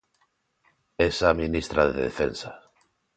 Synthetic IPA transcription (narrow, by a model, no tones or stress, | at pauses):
esaminist̪ɾaðḛðefḛnsa